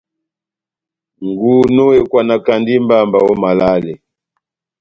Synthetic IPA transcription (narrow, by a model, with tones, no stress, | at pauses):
ŋɡu˨nɔ˦wɛ˦kwa˨na˨ka˨ndi˦mba˦˨mba˨wɔ˦ma˨la˦lɛ˨